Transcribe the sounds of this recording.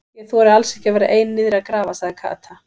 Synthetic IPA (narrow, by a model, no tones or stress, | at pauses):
jɛɣθuɛɾɪalsɛhcɪavɛːɾa̰ʔeːjnːɪðɾakɾaːvasaɣðɪkʰa̰ːt̪ʰa